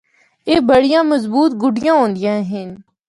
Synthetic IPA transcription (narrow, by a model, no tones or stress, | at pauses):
eːbəɽijãːmɐzbuːt̪̚ɡʊɖijãːɦõːnd̪ɪjãːɦɪn